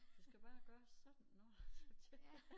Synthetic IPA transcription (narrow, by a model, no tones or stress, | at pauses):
d̥usɡ̥æb̥ɑ̈ːɡ̥ɶɐsɒ̽d̥n̩ːɒ̥sɑt͡sʰeŋd̥